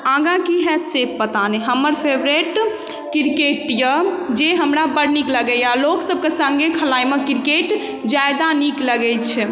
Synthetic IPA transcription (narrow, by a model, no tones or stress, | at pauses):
ãɡãkiɦɛt̪sebpət̪aniɦəmːəɾpʰebɾeʈ | kiɾkeʈjəd͡ʒeɦəmɾabəɽnikləɡɛjaloksəb̚kesə̃ŋɡekʰəlajmekiɾkeʈ | d͡ʒajd̪anikləɡɛt͡ʃʰɛ